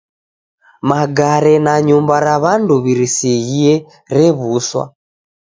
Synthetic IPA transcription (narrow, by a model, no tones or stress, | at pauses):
maɡaɾɛnaɲumbaɾaβanduβiɾisɛɣiɛ | ɾɛβuswa̰